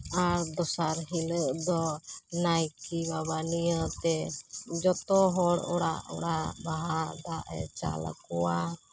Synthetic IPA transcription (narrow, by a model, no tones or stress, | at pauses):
aɾd̪ɔsaɾɦiləʔd̪ɔnajkibabanijət̪ɛd͡ʒɔt̪ɔɦɔɽɔɽaʔɔ̰ɽaʔbaɦad̪aʔɛ̰t͡ʃa̰la̰kɔwa